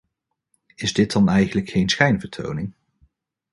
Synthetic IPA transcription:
ɪzdɪt̚dɑnɛjχənləkxejnsχɛjnvəɹtʰo̰wnɪŋ

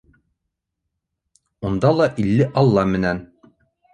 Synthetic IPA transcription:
und̪ɑlˠɑʔilːɘʔɑlˠːɑmɘ̆næn

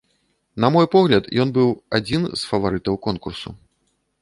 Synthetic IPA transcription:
nɐmɔjpɔɣlʲɐt̪jɔnbɨwad͡zʲinsfɐvaɾɨt̪ɐwkɔnkursṵ

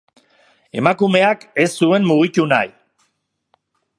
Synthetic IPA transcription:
e̞makume̞ake̞sːue̞mmːuɣituna̰j

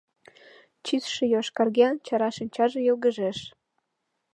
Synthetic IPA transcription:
t͡ɕisʃĕjoʃkɑrɣeɑnt͡ɕɑɾɑʃinʲt͡ɕɑʒĕjolɣə̆ʒeʃ

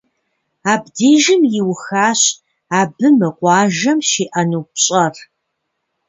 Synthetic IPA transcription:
aːbdeːʒɪmjɪwxaːɕ | aːbɨmɨqʷɑːʒɐmʃiːʔɐnuːpɕʼɐr

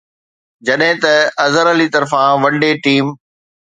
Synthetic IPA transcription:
d͡ʑɐɗɦɪ̃t̪ɐɐzəɾəlit̪ɐɾfãʋɐɳɖeʈiːm

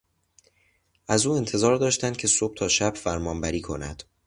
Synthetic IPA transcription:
ʔæzuːe̞nt̪ʰe̞zɒːɾd̪ɒːʃt̪ænd̪̥̚cʰe̞so̞b̥̚t̪ʰɒːʃæb̥fæɾmɒːnbæɾiːkʰo̞næ̰d̪̥

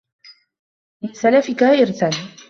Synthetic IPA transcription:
mɪnsalafɪkaːʔɪɾt̪an

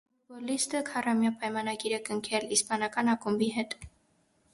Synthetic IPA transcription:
ubɔlist̪əkʰɑrɑmjɑpɑjmɑnɑɡiɾəkəŋkʰɛlispɑnɑkɑnɑkumbiɦɛt̪

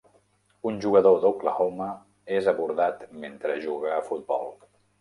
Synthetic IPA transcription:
unʲʒuɣəðoðokləɣomə | ezəβuɾðat̪ment̪ɾəʒuɣəːfut̪̚bɔ̰lˠ

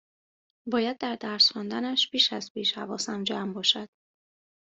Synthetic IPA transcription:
bɒːjæd̪̚ːæɾd̪æɾsxund̪ænæʃpiːʃæzpiːʃhævɒ̰ːsæmd͡ʒæːmbɒːʃæd̪̥

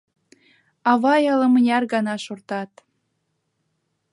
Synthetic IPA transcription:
ɑβɑjɑlɤ̆mənʲɑrɡɑnɑʃort̪ɑt̪

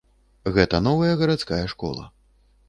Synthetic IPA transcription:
ɣɛt̪ɐnɔvɐjɐɣɐɾat̪skajɐʂkɔ̰lˠɐ̰

